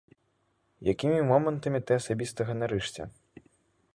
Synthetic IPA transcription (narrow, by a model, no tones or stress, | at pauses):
jakʲimʲimɔmɐnt̪ɐmʲit̪ɨɐsabʲist̪ɐɣɐnaɾɨʂt͡sʲɛ̰